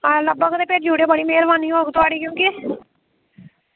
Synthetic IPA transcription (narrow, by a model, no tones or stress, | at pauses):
ləbəɡd̪eːpeːʈ̚d͡ʒuːɽeːbəɽiːmeːɾʋaːniːɦoːɡt̪ʊaːɽiːkjõːkiː